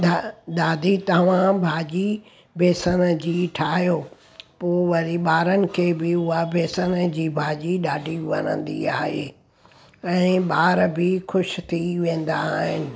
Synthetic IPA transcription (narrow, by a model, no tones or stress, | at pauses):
aɗ̪aːd̪ʱit̪ɐʋ̤ãbʱaːd͡ʑi | bʱeːsənəd͡ʑiːʈʰaːɦjoː | poːʋɐɾiɓaːɾənɪ̆kʰeːbɪʊɦabʱeːsənəd͡ʑiːbʱaːʄiɗaːɖʱiʋɐ̰nə̰̃n̆d̪ḭaːɦeː | ɛ̃ːɓaːɾbɪxʊʃt̪ʰiʋẽːn̆d̪aɦɪnɪ̆